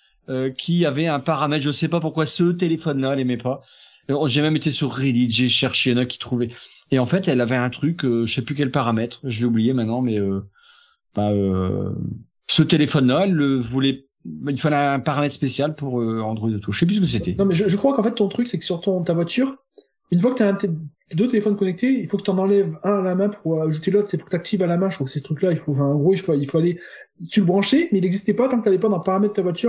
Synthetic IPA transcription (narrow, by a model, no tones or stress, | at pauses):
økʲʰiavɛɛ̃paʁamɛt̪ʒənəsɛpapuʁkwasət̪̬elefɔnlaɛlemɛpa | ɔ̃ʒemɛmet̪esyʁːid̪id̪ʒeʃɛʁʃeɛ̃nakʲi̥t̪χuvɛeɑ̃fɛt̪ɛlavɛɛ̃t̪χykøʒəsɛplyk̬ʲɛlpaʁamɛt̪χʒəvɛublijemɛ̃t̪nɑ̃mɛø | baø | sət̪elefɔnlaɛlːəvulɛ | ilfalɛɛ̃paʁamɛt̪spesjalpuʁøɑ̃d̪ʁɔid̪ət̪ʰuʃɛp̬ysəkəs̬et̪ɛnɔ̃mɛʒəʒəkχwakɑ̃fɛt̪ːɔ̃t̪χyksɛkə̥syʁt̪ɔ̃t̪avwat̪yːʁ | ynfwakə̥t̪yaɛ̃t̪ɛ | d̪øt̪elefɔnkɔnɛk̚t̪eilfokət̪ɑ̃nɑ̃lɛvɛ̃alamɛ̃puʁaʒut̪elot̪χsɛpuʁkət̪ak̚t̪ʰivalamɛ̃ʒəkχwakə̥sɛsə̥t̪χyklailfoɑ̃fɛ̃ɑ̃ɡʁoilfoilfoale | t̪yləbʁɑ̃ʃemɛilɛɡzist̪ɛpat̪ɑ̃kt̪alɛpad̪ɑ̃əpaʁamɛd̪ət̪avwat̪yʁ